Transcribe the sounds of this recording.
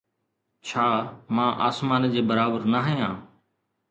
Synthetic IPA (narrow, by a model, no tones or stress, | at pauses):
t͡ɕʰaːmãːʔaːsmaːnd͡ʑeːbəɾaːbəɾnəɦjãː